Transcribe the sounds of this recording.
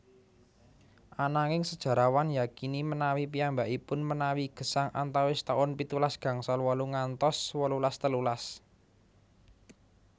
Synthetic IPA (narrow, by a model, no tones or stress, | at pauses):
ʔanaŋɪŋsəd̥ʒ̥ä̤ɾawanjakinimənawipiambaʔipʊnmənawiɡ̥ə̤saŋʔa̰nt̪awɪst̪aʊnpit̪ulasɡ̥ä̤ŋsɔlwɔluŋant̪ɔswɔlulast̪əlulas